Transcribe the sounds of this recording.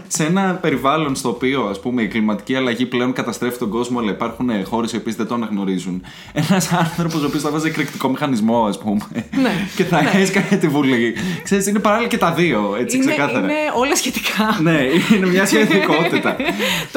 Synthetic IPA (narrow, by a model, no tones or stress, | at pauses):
seenɐpe̞ɾivɐlo̞nst̪o̞ːpio̞ɐspume̞iɡlimɐt̪i̥ciɐlɐʝiple̞o̞nkɐt̪ɐst̪ɾe̞fit̪o̞ŋɡo̞zmoɐlɐipɐɾxunexo̞ɾe̞sio̞piezðed̪o̞ɐnɐɣno̞ɾizun | e̞nɐsɐnθɾo̞pos̬oːpiost̪ɐvɐzekɾikt̪iko̞mixɐnizmo̞ɐspumece̞θɐesikɐnet̪ivulikse̞ɾisinepɐɾɐlilɐcet̪ɐðio̞e̞t͡siksekɐθɐɾɐolɐsçet̪i̥kʰɐneinemɲɐseiiko̞t̪it̪ɐ